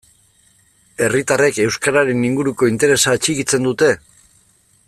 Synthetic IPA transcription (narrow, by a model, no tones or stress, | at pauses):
e̞rit̪are̞ke̞wskaɾaɾe̞niŋɡuɾuko̞int̪e̞ɾe̞sat͡ʃikit͡se̞nd̪ut̪e̞